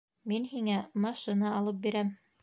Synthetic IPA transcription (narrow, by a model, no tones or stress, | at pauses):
minɦiŋæmɑʃɤnɑɑlˠɤp̚biɾæm